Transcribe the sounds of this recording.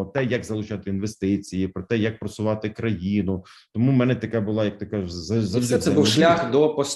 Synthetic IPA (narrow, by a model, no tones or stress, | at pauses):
ɔt̪ɛjɐkzɐlˠʊt͡ʃɑt̪ɪinʋest̪ɪt͡sʲijipɾɔt̪ɛjɐk̚pɾɐsʊʋɑt̪ɪkɾɐjinʊ | t̪ɔmumɛnɛt̪ɐkɑbʊlˠɑjɐk̚t̪ɪkaʒzɐzɐzʲɛbuwʃlʲaxd̪ɔpɔsʲ